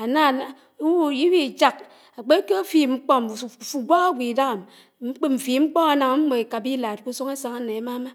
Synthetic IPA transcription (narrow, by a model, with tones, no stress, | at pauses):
a˨na˦˨n˨˦˨ | ji˦wi˦˨d͡ʒa˦˨k | a˨k͡pe˦ke˦a˦fi˨ŋ͡m̩˦k͡pɔ˦˨fu˨ɡʷa˦ɣa˦ɡʷi˨da˦ɣa˨m | ŋ͡m̩˦k͡pe˦m̩˨fi˨ŋ͡m̩˦k͡pɔ˦a˨na˨ŋa˨˦ŋ͡m̩˦bo˨e˨ka˨bi˦la˨t̚ku˦so˦ŋe˦sa˨ŋa˦ne˨a˦ma˦ma˦